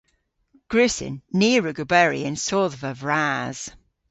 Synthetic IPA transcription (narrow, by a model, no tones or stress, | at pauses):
ɡ̥ɹʉsɪ̰nːiːɹəɡəbɛɹḭə̃nsɔːðvəvɹaːz̥